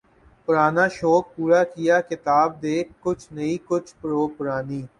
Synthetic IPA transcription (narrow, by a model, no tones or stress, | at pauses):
pʊɾaːnaːʃoːk̚puːɾakijakɪt̪aːb̚d̪eːkkːʊt͡ʃʰnɐĩkʊt͡ʃʰpɾoːpʊɾaːniː